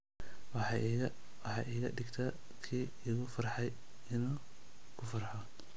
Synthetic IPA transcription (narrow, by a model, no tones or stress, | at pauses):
wɑɑ | wɑħɑʔiːɣɐɖɪɡt̪ʰaː | kʰiː | ɪɣʊfɐrħɑj | ɪnuː | kʰʊfɐrħɔ